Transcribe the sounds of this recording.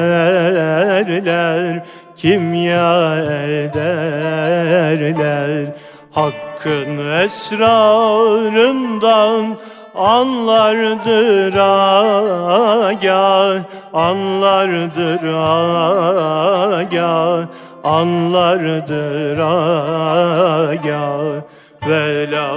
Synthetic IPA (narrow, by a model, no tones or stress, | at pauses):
ɾlæɾ | cʰimjaɛld̪æ | ɾlæɾ | hɑkʰːɯnvɛsɾɑ | ɾɯnd̪ɑn | anlˠɑɾɯd̪ɯɾa | ɟæl | anlˠaɾɯd̪ɯɾa | ɟæl | anlˠaɾɯd̪ɯɾa | ɟæl | vɛla